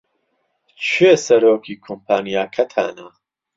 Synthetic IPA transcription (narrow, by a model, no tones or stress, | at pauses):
t͡ʃʰeːsɐɾoːkʰiːkʰompʰaːnijaːkʰɐt̪ʰa̰ːnɐ